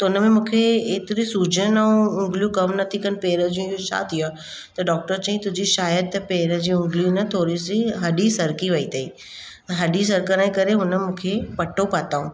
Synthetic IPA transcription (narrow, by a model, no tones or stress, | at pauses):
t̪ɐʊnəmẽmũːkʰeːt̪ɪɾisuːd͡ʑənɛ̃ʊ̃ŋɡljũkɐmnɐt̪ʰikən̆peːɾəd͡ʑũjoʃʰa̰ːt̪ʰijaː | t̪ɐɖɔːk̚ʈəɾt͡ɕɐ̃ɦĩt̪ʊd͡ʑiʃaːjəd̪̚t̪ɐpeːɾəd͡ʑiːʊ̃ŋɡliũnɐt̪ʰoːɾisiɦɐɗisɐɾkiʋɐit̪ʰɐiː | ɦɐɗis̬ɐɾkəɾaːĩkɐɾeɦʊnə̆mũːkʰepɐʈʰopaːt̪aːũː